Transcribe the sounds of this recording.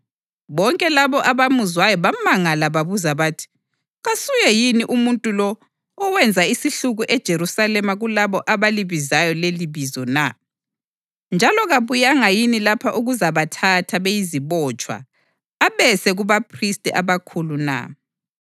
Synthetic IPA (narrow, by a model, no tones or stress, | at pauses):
βɔŋkʼɛlaβɔʔaβamuzwajɔβamaŋalaβaβuzaβaːtʰi̥ | ɣasujɛjiniʔumuntʼulɔː | wɛnd͡zʱaisiɬuɣuʔɛd̥ʒ̥ʱeɾusalɛmaɣulaβɔʔaβaliβizajɔleliβizɔna | nd͡ʒʱalɔɣaβujaŋajinilapʰaʔuɣuzaβatʰatʰaβejiziβɔt͡ʃʼwa̰ː | βɛsɛɣuβapʰristʼɛʔaβakʰuluna̰